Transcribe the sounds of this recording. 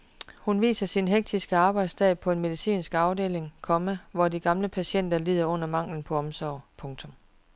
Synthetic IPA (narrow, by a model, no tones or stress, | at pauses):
hunʋḭːsɐsinɦeɡ̥̚d̥ʰisɡ̥əɑ̈ːb̥ɑ̈ɪd̥sdt͡sʰɛ̥ːpʰɒ̽e̝nme̝ðˠisḭːnsɡ̥ɑ̈ʊde̝̰ːle̝ŋkʰɒ̽məʋɒdiɡ̥ɑ̈mləpʰæɕen̰d̥ɐliːð̰ˠɐɔ̽n̰ɐmɑ̈ŋ̰ln̩pʰɒ̽ɒ̽msɒʊ̰pʰɔ̽ŋt͡sʰɔ̽m